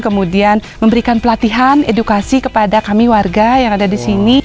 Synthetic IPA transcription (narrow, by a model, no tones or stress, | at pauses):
kəmudianməmbəɾikanpəlat̪iɦanedukasikəpadakamiwarɡajaŋadadisini